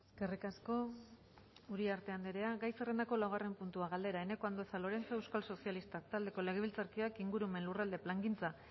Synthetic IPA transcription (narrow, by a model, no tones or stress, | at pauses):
eske̞rikasko̞ | uɾiaɾt̪e̞and̪eɾe̞aɣajsere̞nd̪ako̞lawɣ̞are̞mpunt̪uaɣ̞ald̪e̞ɾaene̞ko̞and̪osalo̞ɾe̞nt͡saewskalso̞sialist̪akt̪ald̪e̞ko̞le̞ɣ̞e̞β̞ilt͡saɾkioakiŋɡuɾume̞nlurald̪e̞plaŋɡint͡sa